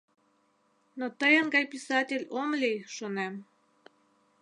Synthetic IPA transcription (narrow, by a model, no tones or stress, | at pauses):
not̪ɤjə̆nɡɑjpʲisɑtʲelʲomlʲiʃonem